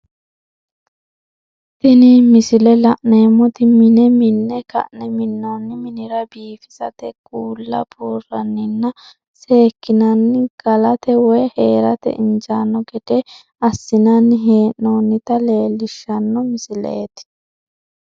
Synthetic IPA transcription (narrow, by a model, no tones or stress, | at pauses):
t̪ɪnɪmɪsɪlɛlɐʔneːmːɔt̪ɪmɪnɛmɪnːɛkɐ̰ʔnɛmɪnːonːɪmɪnɪɾɐbiːfɪ̥sɐ̰t̪ɛɡ̥ʼuːlːɐ̰buːrɐnːɪnːɐ | se̞ːkːɪnɐnːɪɡ̥ɐlɐt̪ɛwɔjheːɾɐt̪ɛ̰ʔɪnd͡ʒanːɔɡɛd̪̥ɛ | ɐsːɪnɐnːɪɦe̞ːnːoːnːɪt̪ɐle̞ːlːɪʃːɐnːɔmɪsɪlɛ̰jɛt̪